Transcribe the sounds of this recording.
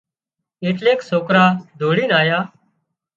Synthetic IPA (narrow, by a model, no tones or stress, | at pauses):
eːʈleːksoːkɾaːd̪ʱoːɽiːnaːjaː